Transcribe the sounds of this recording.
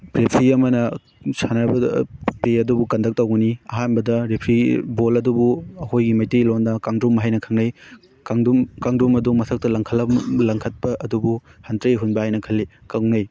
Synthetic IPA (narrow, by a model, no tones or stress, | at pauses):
pɾepʰɾiɐmɐnɐ | sʰanɐbɐpeɐdubukɐndʱɐk̚tɐwɡuniɐɦanbɐdɐɾepʰɾibolɐdubuɐhojɡimɐjtejlondɐkaŋdumːɐɦajnɐkʰɐŋnɐj | kŋdmkaŋdumɐdumɐsʰɐk̚tɐlɐŋkʰɐlɐlɐŋkʰɐt̚pɐʔɐdubuhɐntɾɐiɦunbɐɦajnɐkʰɐlːi | kɐŋnɐj